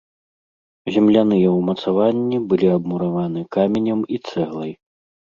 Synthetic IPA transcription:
zʲɛmlʲanɨjɛwmɐt̪savanʲːibɨlʲiɐbmuɾavanɨkamʲenʲɐmit̪sɛɣlˠɐj

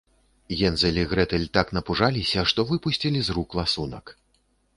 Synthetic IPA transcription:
jɛnzɐlʲiɣɾɛt̪ɛlʲt̪aknɐpuʐalʲisʲɐʂt̪ɔvɨpusʲt͡sʲilʲizruklˠasunɐk

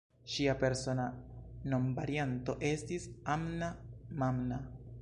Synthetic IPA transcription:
ʃiape̞ɾso̞nano̞mbaɾianto̞ʔe̞stisamnamamna

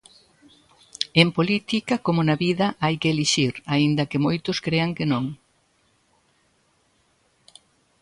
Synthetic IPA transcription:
empolit̪ikɐkomʊnɐβiðɐʔajkeːliʃiɾaind̪ɐkɪmojt̪ʊskɾeɐŋkenõŋ

